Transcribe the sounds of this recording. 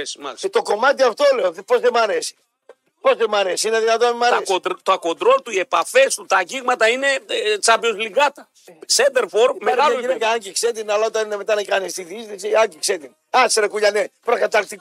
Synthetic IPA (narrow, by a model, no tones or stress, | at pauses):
smɐ̰st̪o̞ko̞mɐt̪iɐft̪o̞leoðpozðemɐɾesi̥ | po̞zðemɐɾesiineðinɐt̪oemɐɐesod̪ɾt̪oɐko̞nd̪ɾo̞lt̪uie̞pɐfe̞st̪ut̪ɐʝiɣmɐt̪ɐine̞t͡sɐpio̞zliɡɐt̪ɐ | sed̪eɾfo̞ɾmeaiekɐɐɲɟikset̪inɐlɐot̪ɐnineme̞t̪ɐnekɐnist̪iðisnisiɐɲɟikset̪in | ɐseɾɐkuʎɐnepɾokɐt̪ɐɾt̪i